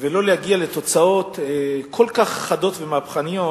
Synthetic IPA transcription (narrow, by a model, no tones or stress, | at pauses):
velo̞lejaɡialet̪o̞t͡sao̞t̪ekʰolkaχːado̞tvemapχanijo